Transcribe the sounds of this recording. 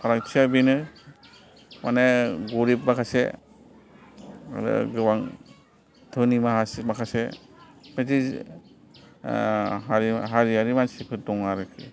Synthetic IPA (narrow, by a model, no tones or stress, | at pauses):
pʰaɾaŋt͡ʃʰiabinɯ | maneɡuɾip̚makʰasḛ | a̰ɾɯ̰ɡɯwaŋ | tʰɯnimaɦasmakʰasḛ | meti | aɾiɦaɾiaɾimansipʰɯdɔŋaɾɯkʰi